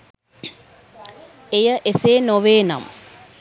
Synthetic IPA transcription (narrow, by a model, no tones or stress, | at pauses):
ejəʔeseːnoʋeːna̰m